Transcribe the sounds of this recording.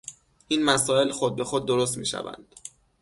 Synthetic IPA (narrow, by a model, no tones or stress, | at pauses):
ʔiːnmæsɒːe̞lxod̪̚be̞xod̪̚ːo̞ɾos̬t̪mḭːʃæ̰væ̰nd̪̥